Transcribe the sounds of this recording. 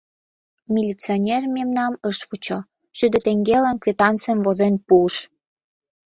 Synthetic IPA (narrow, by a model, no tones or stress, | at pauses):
mʲilʲit͡sionʲermemnɑməʃfut͡ɕo | ʃyd̪ə̆t̪eŋɡelankvʲet̪ɑnt͡semvozenpuəʃ